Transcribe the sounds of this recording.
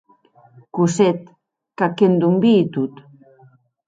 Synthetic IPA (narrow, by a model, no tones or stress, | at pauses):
kuset̪̚ | kakend̪umbiːt̪ut̪